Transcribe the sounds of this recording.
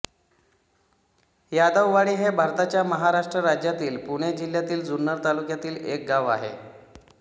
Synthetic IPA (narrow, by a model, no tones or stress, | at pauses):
jad̪əʋʋaɽiːɦebʱaɾt̪at͡ɕjaməɦaɾaʂʈɾəɾad͡ʑjat̪iːlpuɽ̃ed͡ʑil̤ːjat̪iːld͡zunːəɾt̪alukjat̪iːlek̚ɡaʋa̰ɦḛ